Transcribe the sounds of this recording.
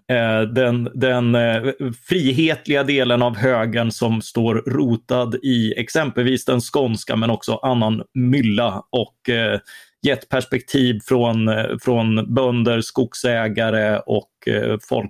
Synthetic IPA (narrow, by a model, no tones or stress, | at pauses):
d̪ɛnd̪ɛn | fɾiːɦeːt̪lɪɡad̪eːlənavɦøːɡəɳsɔmst̪oːɾɾuːt̪ad̪ɪɛ̰ksɛmpəlviːsd̪ɛnskɔnska̰mɛnɔksɔʔanːanmʏlːaʔɔk | jɛt̪ːpʰæʂpɛk̚t̪ʰiːvfɾɔnfɾɔnbœnd̪əɾskʊksɛːɡaɾəɔ̰kfɔ̰lk